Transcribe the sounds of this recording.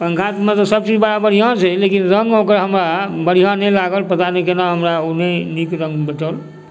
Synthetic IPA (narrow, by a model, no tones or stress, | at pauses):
pəŋkʰat̪mẽt̪ɔsəb̚t͡ʃid͡ʒbəɽabəɽijãt͡ʃʰɛlekinɾəŋɡokɾɦəmɾabəɽ̤ijãnɛlaɡəlpət̪anikenaɦəmɾaonenikɾə̃ŋɡbeʈəl